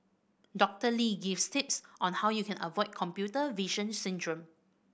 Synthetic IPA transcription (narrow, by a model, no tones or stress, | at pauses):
dɔk̚təliɡifstɪp̚sʔɔ̃nhawjukʰɛ̃nəvɔɪt̚kʰɔ̃mpjutəviʃə̃nsĩndɹə̃m